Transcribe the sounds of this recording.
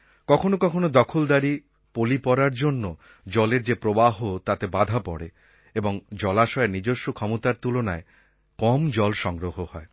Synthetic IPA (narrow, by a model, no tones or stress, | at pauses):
kɔkʰonokɔkʰonod̪ɔkʰold̪aɾi | polipɔɾaɾd͡ʑonːo | d͡ʑɔleɾd͡ʑepɾobaɦot̪at̪ebad̪ʱapɔ̰ɽe | eboŋd͡ʑɔlaʃɔenid͡ʑoʃːokʰɔmot̪aɾt̪ulonae | kɔmd͡ʑɔlʃɔŋɡɾoɦohɔe